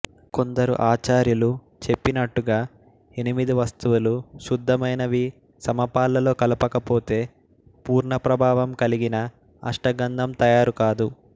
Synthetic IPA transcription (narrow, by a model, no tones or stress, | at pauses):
ko̞nd̪ɐɾṵʔaːt͡ʃaːɾjulu | t͡ʃe̞pːinɐʈːuɡaː | e̞nimid̪iʋɐst̪uʋuluʃud̪ʱːɐmɐjnɐʋi | sɐmɐpaːlɐlo̞ːkɐlupɐkɐpo̞ːt̪e̞ː | puːɾɳɐpɾɐbʱaːʋɐmkɐliɡinɐ̰ː | ʂʈɐɡɐnd̪ʱɐmt̪ɐjaːɾukaːd̪u